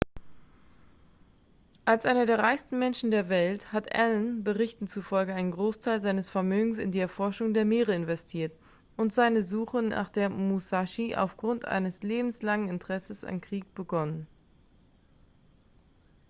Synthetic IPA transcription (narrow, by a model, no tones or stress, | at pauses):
ʔalsʔaɪnɐdeːɐʁaɪçstn̩mɛnʃn̩deːɐvɛlthatʔɛ̰lənbəʁɪçtn̩t͡sufɔlɡəaɪnənɡʁoːstʰaɪlzaɪnəsfɛɐmøːɡŋ̩sɪ̰ndiːɛɐfɔɐʃʊŋdeːɐmeːʁəɪnvɛstʰiːɐt | ʔʊntz̥aɪnəzuːχəna̰ːχd̥eːɐmusaʃiʔa̰ʊfɡ̥ʁʊntʔa̰ɪnəsleːbm̩slaŋənɪntʁ̥ɛsəsa̰nkʁ̥iːk̚b̥əɡɔnən